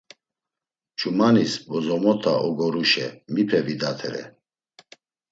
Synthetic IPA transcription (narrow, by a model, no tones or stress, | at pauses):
t͡ʃʰʼumanisbɔzɔmɔt̪ʰa̰ʔɔɡɔɾuʃɛmipʰɛvid̪at̪ʰɛɾɛ̰